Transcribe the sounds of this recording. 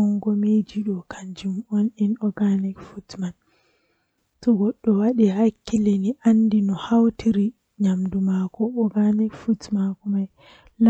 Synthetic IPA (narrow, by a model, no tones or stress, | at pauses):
ɔŋɡɔmed͡ʒiɗɔkʰaɲd͡ʒumɔninɔɡanikfutman | tɔɡɔɗːɔwaɗihakːileniʔanːdinɔhawtʰiɾi | ɲamdumakɔɔɡanikfutmakɔmaj | l